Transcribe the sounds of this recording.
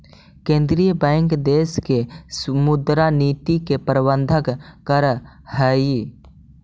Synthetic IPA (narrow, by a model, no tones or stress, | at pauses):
kẽːnd̪ɾijəbɛ̃ːŋkd̪eːskesmʊd̪ɾaniːt̪ikepɾbənd̪ʱəkkəɾ | hɛːi